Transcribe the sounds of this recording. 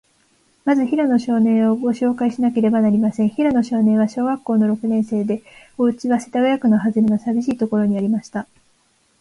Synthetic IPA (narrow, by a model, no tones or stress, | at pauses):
mazɨçiɾano̞ɕo̞ːnẽ̞ɰ̃o̞ɡo̞ɕo̞ːkaiɕinake̞ɾe̞banaɾʲimasẽɰ̃çiɾano̞ɕo̞ːnẽ̞ɰ̃βaɕo̞ːɡakːo̞ːno̞ɾo̞kɯ̟nẽ̞ɰ̃se̞ːd̪e̞ | o̞ɯ̟t͡ɕiβaset̪aɡajakɯ̟noɦazɨɾenosabʲiɕiːt̪o̞ko̞ɾo̞ɲ̟iaɾʲimaɕi̥t̪a